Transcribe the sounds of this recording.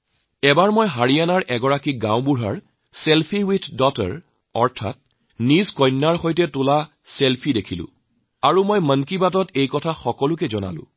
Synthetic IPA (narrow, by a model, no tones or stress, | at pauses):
ɛbaɹmojɦaɹianaɹʔɛɡɔɹakiɡãwbuɹaɹ | selpʰiwitʰdɔtə̰ɹ | ɔɹtʰa̰t̚ | nizkɔjnːaɹxojtɛtʊla | selpʰidekʰilʊ̰̃ | aɹumojmənkibat̬ɔtejkɔtʰaxɔkɔlʊk̬ɛzɔna̰lʊ̰̃